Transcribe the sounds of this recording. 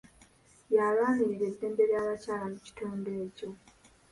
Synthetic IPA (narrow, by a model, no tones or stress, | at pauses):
jalaːniɾiɾezːe̞ːmbe̞βjaːβacaːlamuci̥tuːnbeːco̞